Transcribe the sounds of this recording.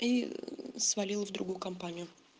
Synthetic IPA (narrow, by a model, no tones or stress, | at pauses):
isvɐlʲilˠvd̪ɾʊɡujʊkɐmpanʲɪjʊ